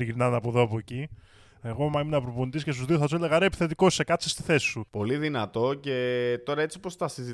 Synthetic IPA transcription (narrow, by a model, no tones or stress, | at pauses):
iʝiɾnɐnɐpoðo̞ɐpoci | e̞ɣo̞mɐminɐpɾoponit̪isces̬t̪uzðioθɐsuele̞ɣɐɾepi̥θe̞t̪iko̞sekɐt̪sest̪i̥θe̞si̥supo̞liðinɐt̪o̞ce̞t̪o̞ɾɐe̞t͡sipo̞st̪ɐsizi